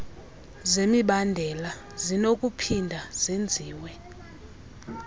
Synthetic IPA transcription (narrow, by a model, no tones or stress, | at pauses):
zemiɓandʱɛla | zinok̬ʼupʰindʱaz̥end͡zʱiːwɛ